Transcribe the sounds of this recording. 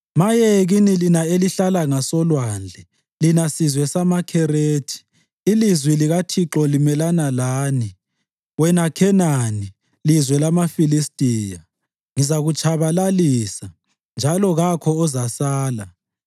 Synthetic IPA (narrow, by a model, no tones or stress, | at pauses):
majɛɣinilinaeliɬalaŋasɔlwand͡ɮʱɛ | linasizwɛsamakʰɛɾeːtʰi̥ː | lizwiliɣatʰiǁɔlimɛlanalaːni | wɛnakʰɛnani | lizwɛlamafilistʼiːja | ŋizaɣut͡ʃʰʼaβalaliːsa | nd͡ʒʱalɔɣakʰɔɔzasaːla